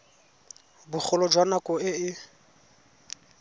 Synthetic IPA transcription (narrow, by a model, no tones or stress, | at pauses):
bʊk͡xʰʊlɔd͡ʒwanakʼɔɪɪ